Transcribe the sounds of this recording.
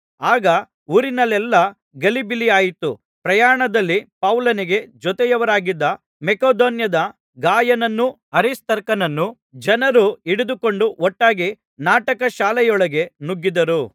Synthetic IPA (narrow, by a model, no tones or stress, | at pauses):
aːɡɐ | uːɾinɐlɛlːɐ | ɡɐlibilijaːjit̪u | pɾɐjaːɳɐd̪ɐlːipɐwlɐniɡe̞d͡ʒɔt̪ɛjɐʋɐɾaːɡid̪ːɐ | mɛkoːd̪oːnjɐd̪ɐ | ɡaːjɐnɐnːu | ɐɾist̪ɐɾkɐnɐnːu | d͡ʒɐnɐɾuiɽud̪uko̞ɳɖuɔʈːaːɡi | naːʈɐkɐʃaːlɛjɔɭɐɡe̞nuɡːid̪ɐɾu